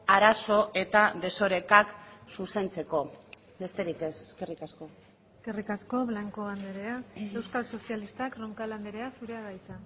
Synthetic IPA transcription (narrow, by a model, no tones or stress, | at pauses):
aɾaso̞ʔe̞t̪aðe̞so̞ɾe̞kaksuse̞nt͡se̞ko̞ | be̞st̪e̞ɾikeseske̞rikasko̞ | eske̞rikasko̞βlaŋkoand̪e̞ɾe̞ae̞wskalso̞sialist̪akroŋkaland̪eɾe̞asuɾe̞aɣajt̪a